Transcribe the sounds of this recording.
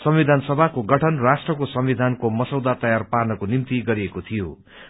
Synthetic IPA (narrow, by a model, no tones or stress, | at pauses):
sʌmwid̪ʱansʌbʱakoɡʌʈʰʌnrasʈrʌkosʌmbid̪ʱankomʌsʌwd̪at̪ʌjarparnʌkonimt̪iɡʌɾiekot̪ʰijo